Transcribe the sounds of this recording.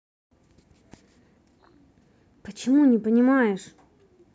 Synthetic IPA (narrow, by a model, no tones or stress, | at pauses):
pət͡ɕɪmunʲɪpənʲɪmajɪʂ